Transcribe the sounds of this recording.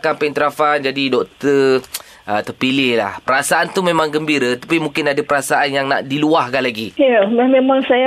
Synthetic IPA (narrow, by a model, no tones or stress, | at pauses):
kanpəint̪ɾafand͡ʒadidɔk̚t̪ə | ət̪ərpilɪhla̰hpəɾasaʔant̪umẽmãŋɡəmbiɾat̪ḁpimũŋkɪnadəpəɾasaʔanjaŋna̰ʔdiluahkanlaɡiammemaŋsaja